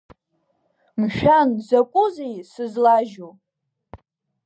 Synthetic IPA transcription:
mʃᶣanzakʷʼʊzejsɨzlaʒo

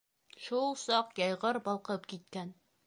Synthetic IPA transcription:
ʃulˠsɑqjɒjʁɤɾbɒlˠqɤpkit̪̚kæn

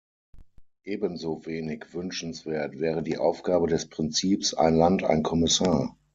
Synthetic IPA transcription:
ʔeːbənzoːveːnɪçv̥ʏnʃn̩sv̥eːɐtv̥ɛːʁ̞ədiːʔaʊfɡ̥aːbədɛspʁ̥ɪnt͡siːpsa̰ɪnlanta̰ɪnkʰɔmɪsaːɐ

